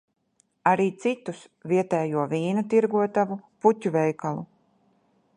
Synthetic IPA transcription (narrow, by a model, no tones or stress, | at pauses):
aɾiːt̪sit̪us | viɛt̪ɛːjuɔviːnut̪iɾɡuɔt̪avuput̪ʲːuvɛjkalˠṵ